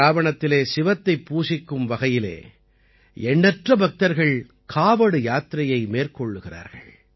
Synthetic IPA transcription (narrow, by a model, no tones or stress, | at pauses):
aːʋɐɳɐt̪ːɪleːsɪʋɐt̪ːɐɪpːuːsɪkːɯmʋɐɣɐjɪlḛː | ɛɳːɛʈrɐbɐk̚t̪ɐɾɣɐɭ | kʰaːʋɐɽɯjaːt̪ɾɐjɐɪmeːrkɔɭːɯɣɪra̰ːɾɣɐ̰ɭ